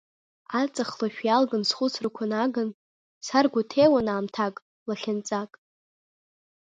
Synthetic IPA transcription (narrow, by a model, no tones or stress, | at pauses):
at͡sʼaχlaʃᶣjalɡansχʷʊt͡sʰrɨkʷʰanaɡan | sarɡʷʊtʰejwanaːmtʰakʼ | laχʲant͡sʼakʼ